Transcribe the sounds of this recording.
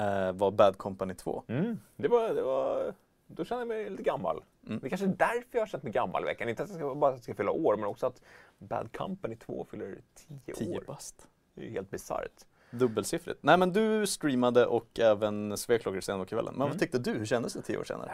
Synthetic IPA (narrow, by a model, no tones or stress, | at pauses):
vabæd̪kʰɔmpanɪt̪ʰvo̰ːd̪ɛvɑd̪ɛva̰ | d̪ɔʃɛnd̪əjamɛjliːt̪əɡamːa̰l | m̩ːd̪ɛkʰanʂəd̪æɾfœɾjɑhaɕɛnt̪mɛɡamːa̰lɪvɛ̰kːanɪnt̪at̪d̪jɛskabɑːɾat̪ɛskafʏlːaʔoːɾmɛnɔksɔat̪bæ̰d̪kʰa̰mpanɪt̪ʰvo̰ːfʏlːəɾt̪ʰiːə̰ʔʰiːəɾbast̪ | d̪ɛj̰hḛːlt̪̚bɪsa̰ɾt̪ | d̪ɵbːəlsɪfɾɪ̰t̪nɛɪmɛnd̪ɵst̪ɾiːmad̪əʔɔkːɛːvənsveːkʰlɔkːaɾsɛːnɔkʰvɛ̰lːənmɛnvat̪ʰʏk̚t̪əd̪ɵhɵɕɛnd̪əsd̪ɛt̪ʰiːʔo̰ːʂḛːna̰ɾə̰